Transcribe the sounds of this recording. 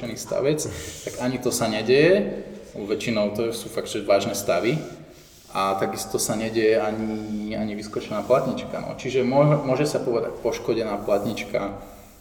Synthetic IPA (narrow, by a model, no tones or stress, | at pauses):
ɛniːst̪a̰ʋɛt͡st̪aɡaɲit̪ɔsaɲɛɟɛjɛ | ʋɛt͡ʃinɔʊt̪ɔsuːfaɡ̪̚ʒɛʋaːʒnɛst̪aʋi | ʔat̪aɡist̪ɔsaɲɛɟɛjɛaɲiaɲiʋiskɔt͡ʃɛnaːplat̪ɲit͡ʃka̰nɔ̰t͡ʃiʒɛmɔmʊɔʒɛsapɔʋɛd̪a̰c̚pɔʃkɔɟɛnaːplat̪ɲit͡ʃka